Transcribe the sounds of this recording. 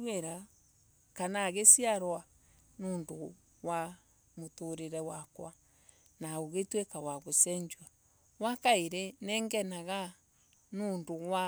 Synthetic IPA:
weɾa | kanaɣesiaɾwa | noːndo | wa | motoɾeɾɛwakwa | naoɣetwekawaɣosɛɲd͡ʒwa | wakaeɾenɛŋɡɛnaɣa | noːndowa

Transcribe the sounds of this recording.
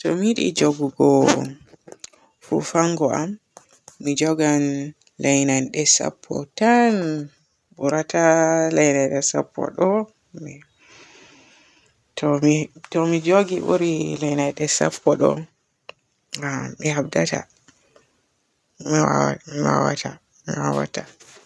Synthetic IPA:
tɔmiɗḭd͡ʒoɡuɡɔ | fṵfaŋɡɔʔamː | id͡ʒɔɡan | lajnanɗɛsa̰pʰːɔ̰tan | buɾatalajnajɗɛsa̰pʰːɔ̰ɗɔ | mi | tʰɔmitɔmid͡ʒoɡibṵɾilajnajɗɛsa̰pʰːɔɗɔ̰ | amihabdata̰ | miwamiwa̰wa̰ta | miwawa̰ta

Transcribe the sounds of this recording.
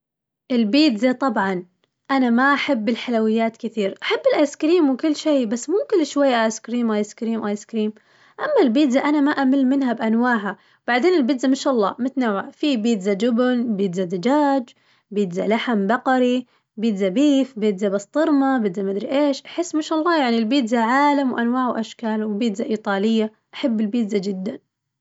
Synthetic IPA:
ʔɪlbiːd̪zat̪ˤɑbʕɑn | ʔanamaʔaħabːɪlħalawɪjːaːt̪kɪθiːɾʔaħabːɪlʔajskɾiːmwɪkʊlːʃeːbasːmʊmkɪnʃwajːaʔajskɾiːmʔaːjskɾiːmʔaːjskɾiːm | ʔamːalbiːd̪zaʔanamaʔamɪlmɪnɦabʔanwaːʕa | wb̥aʕd̪eːnɪlbɪd̪zamɪʃʔɑlˤːɑ̰ːmʊt̪nawaʕfibiːd̪zad͡ʒʊbnbiːd̪zad̪ad͡ʒaːd͡ʒ | biːd̪zalaħambɑqɑɾi | biːd̪zabiːfbiːd̪zabɑst̪ˤɨɾmabɪd̪zamad̪ɾiʔeːʃʔaħɪsːmɪʃʔɑlˤːɑːjaʕnilbiːd̪zaʕaːlamwʔanwaːʕwʔaʃkaːlwɪlbiːd̪zaʔiːt̪ˤɑːlɪjːa | ʔaħabːɪlbiːd̪zad͡ʒɪd̪ːan

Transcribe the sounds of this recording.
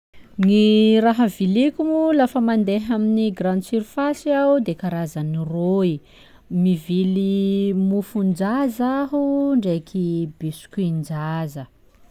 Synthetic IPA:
niɾaɦəvilikumulafəmand̪eɦaminiɡrãnsiɾifasiawd̪ekaɾazəniroi | mivilimufund͡ʒazaɦuɳɖ͡ʐekʰibisu̥kuind͡ʒazə

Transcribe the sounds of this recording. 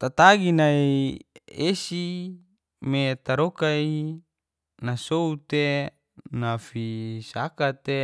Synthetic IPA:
t̪at̪aɡinai | esi | met̪aɾokai | nasout̪e | nafisakat̪e

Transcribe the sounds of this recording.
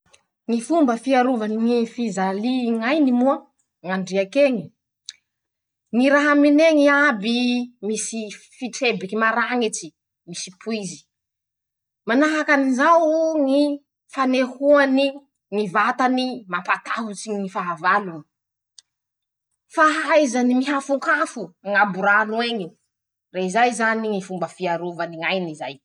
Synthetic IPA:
ŋifumbəfiaɾuvaniŋifizaliŋajnimua | ŋaɳɖ͡ʐiakeŋi | ŋiɾaɦamineŋiabimisi | fiʈ͡ʂebikimaɾaŋit͡si̥ | misipuizi̥ | manaɦakanizawŋi | fanehuani | ŋivat̪animapat̪aɦut͡siŋifaɦavaluni̥ | faɦajzanimiɦafuŋkafuŋabuɾanweŋi | reizajzaniŋifumbəfiaɾuvaniŋajnizaj

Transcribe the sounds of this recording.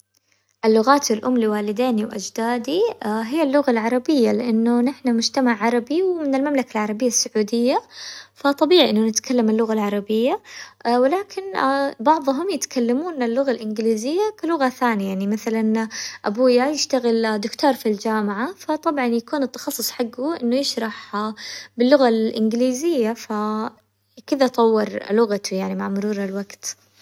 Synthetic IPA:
ʔɪlːʊɣaːt̪ɪlʔʊmliwaːlɪd̪eːniwʔa̰d͡ʒd̪aːd̪iɦɪjːalːʊɣalʕɑɾˤɑbɪjːalɪʔanːʊnɪħnamʊd͡ʒt̪amaʕʕɑɾˤɑbiwmɪnɪlmamlakalʕɑɾˤɑbɪjːasːʊʕuːd̪ɪjːafat̪ˤːɑbiːʕiʔɪnːʊnɪt̪kalːamalːʊɣalʕɑɾˤɑbɪjːawɪlaːkʰɪnbɑʕðˤʊɦʊmjɪt̪kʰalːamuːnalːʊɣalʔɪnɡɪliːzɪjːakɪlʊɣaθaːnjajaʕnimaθalanʔabuːjajɪʃt̪aɣɪld̪ʊkt̪oːɾˤfild͡ʒaːmɪʕafat̪ˤɑbʕɑnjakuːnɨt̪ːɑ̥xɑsˤːʊsˤħaɡːʊʔɪnːʊjɪʃɾˤɑħ | bɪlːʊɣalʔɪnɡɪliːzɪjːafa | kɪd̪at̪ˤɑwːɪɾˤlʊɣat̪ujaʕnimaʕmʊɾuːɾalwaɡt̪

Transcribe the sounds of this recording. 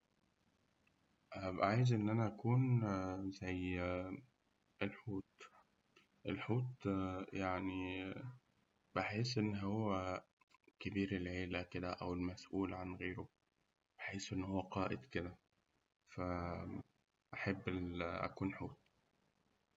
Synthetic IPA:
ʔbʔʕaːjɪzʔɪnːʔænæʔækuːnzæj | elħuːt̪ | ʔelħuːt̪jaʕni | b̥ɪħeːsʔɪnːɦowːæ | kɪbiːɾelʕeːlæked̪æʔæwelmæsʔuːlʕanɣeːɾo | b̥eħeːsʔɪnːhowːæqɑːʔɪd̪kɪd̪æ | fæ | ʔaħabːʔæ̰kuːnħuːt̪̚

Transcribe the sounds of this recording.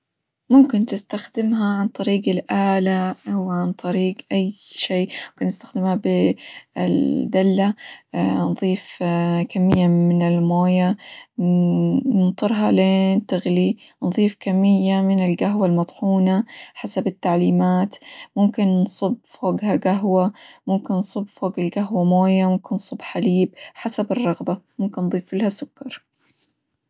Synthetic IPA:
mʊmkɪnt̪ɪst̪axd̪ɪmɦaʕant̪ˤɑɾiːɡɪlʔaːlawɪʕant̪ˤɑɾiːɡʔajʃeːmʊmkɪnːɪst̪axd̪ɪmhabɪɪ̰d̪alːa | nðˤiːfkamːɪjːamɪnɪlmoːja | nɨnt̪ˤɨɾɦɑleːnt̪ɪɣlinðˤiːfkamːɪjːamɪnɪlɡaɦwalmɑt̪ˤħuːnaħasabɪt̪ːaʕliːmaːt̪mʊmkɪnnsˤʊbːfoːɡhaɡaɦwamʊmkɪnnsˤɨbːfoːɡɪlɡaɦwamoːjamʊmkɪnsˤʊbːħaliːb̚ħasabɨrˤːɑɣbamʊmkɪnːðˤiːfɪlhasʊkːɑɾˤ

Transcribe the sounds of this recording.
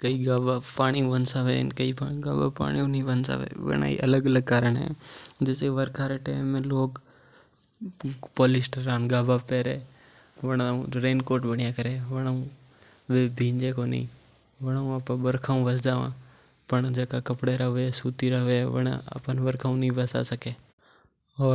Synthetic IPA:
kəiːɡaːbapaːɽ̃iõʋənsaʋḛnkəipaɡaːba̰ːpa̰ːɽ̃ijõniːʋənsa̰ːʋḛːʋə̰na̰ːḭːʔələɡələɡ̚kaːɾəɳɦɛ̰̃d͡ʒeseʋəɾkʰaːɾeʈaːɪmːẽːloːk | poːlɪsʈəɾaːnɡaːbaːpɛːɾeː | ʋəɽũɾeːnkoːɾʈbəɽɪjãːkəɾeːʋəɽ̃aũ | ʋeːbʱĩːɲd͡ʒeːkoːnə̰ḭ̃ː | ʋəɽ̃aũapãɓəɾkʰaːũʋəsd̪aːʋã̰ː | pəɳd͡ʒɛːkakəpɽeːɾəɦʋeasuːt̪iɾəɦʋeʋə̰ɽa̰a̰pənʋəɾkʰaːũnəĩːʋəsa̰ːsəkeː | ɔː

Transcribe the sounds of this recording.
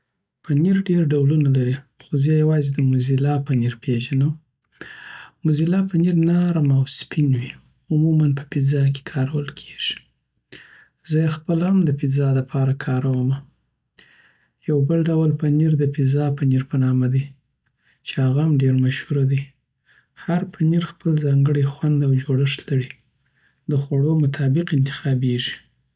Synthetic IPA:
paniɾɖeɾɖawlunalaɾixozejawɑzed̪əmʊzilɑpaniɾpeʒanəw | mʊzilɑpaniɾnɑɾamawspinwi | ʊmumanpə̥pizɑk̬e̥kʰɑɾawəlkʰeʒ̥i̥ | z̥əjaxpəlamd̪əpizɑlapʰɑɾakʰɑɾawəma | jawbəlɖawlpaniɾd̪əpizɑpaniɾpənɑmad̪i | t͡ʃehaɣamɖeɾmaʃhuɾad̪i | haɾpʰaniɾxpəlzɑŋɡəɽexwand̪awd͡ʒoɽəʂt̪laɽi | d̪əxwaɽomʊt̪ʰɑbɪqɪnt̪ɪ̥xɑbeʒi̥

